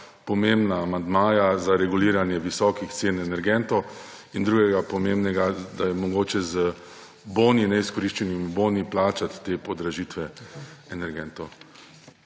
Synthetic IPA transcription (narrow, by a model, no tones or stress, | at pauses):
pɔmembnaːmand̪maːjazaɾɛɡuliːɾanjɛʋisɔkixt̪seːnɛnɛɾɡɛnt̪ɔ | ind̪ɾuːɡɛɡapɔmembnɛɡad̪ajɛmɔɡoːt͡ʃɛzə | boːninɛiskɔɾiʃt͡ʃɛnimuboːniplaːt͡ʃat̪ːeːpɔd̪ɾaʒiːt̪ʋɛɛnɛɾɡɛnt̪ɔ